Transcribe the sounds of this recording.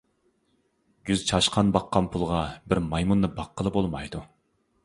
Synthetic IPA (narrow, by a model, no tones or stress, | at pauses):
ɡ̥ʲyzt͡ʃʰɑʃqʰɑnbɑqːɑnpʰulˠʁɑbɪɾmɑjmunːɨbɑqːəlˠɨbolˠmɑjd̪u